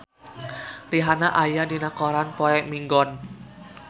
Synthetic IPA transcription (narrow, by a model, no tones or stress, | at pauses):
riɦanaʔajadinakɔɾanpɔɛmiŋɡɔn